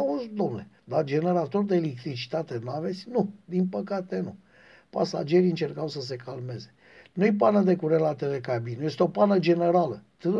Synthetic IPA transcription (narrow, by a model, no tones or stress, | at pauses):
auzd̪o̞mne | d̪ad͡ʒe̞ne̞ɾat̪o̞rd̪eːlek̚t̪ɾit͡ʃi̥t̪at̪enuave̞t̪sʲnud̪inpəkat̪e̞nu | pa̰sa̰d͡ʒe̞ɾiɨnt͡ʃe̞rkawsəs̬e̞kalme̞ze̞ | nujpanəd̪e̞kuɾelat̪ele̞kabinuje̞st̪eo̞panəd͡ʒe̞ne̞ɾalət̪ɨ